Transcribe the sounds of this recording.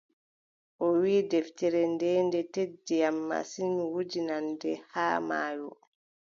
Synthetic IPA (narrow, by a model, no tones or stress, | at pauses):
ʔɔwiːdɛftɛɾɛndɛːndɛtedːijamːa̰sinwud͡ʒinandɛhaːma̰ːjɔ